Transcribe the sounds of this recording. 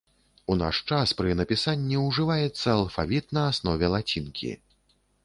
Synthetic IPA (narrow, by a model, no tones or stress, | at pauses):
una̰ʂt͡ʂaspɾɨnɐpʲisanʲːiwʐɨvajɛt̪sːɐːlˠfavʲit̪nɐasnɔvʲɛlˠat͡sʲinkʲʰḭ